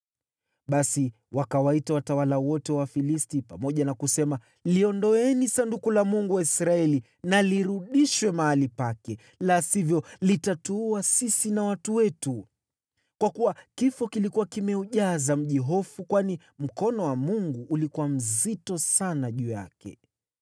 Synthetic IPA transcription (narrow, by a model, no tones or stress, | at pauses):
ɓasi | wakawaitawatawalawɔtɛwafilistipamɔʄanakusɛma | liɔndɔɛnisandukulamuŋɡuwaisɾaɛli | naliɾuɗiʃwɛmaalipakɛ | lasivjɔlitatuuasisinawatuwɛtu | kwakuwakifɔkilikuwakimɛuʄazam̩ʄiɦɔfukwani | m̩kɔnɔwamuŋɡuʔːlikuwam̩zitɔsanaʄuja̰kɛ̰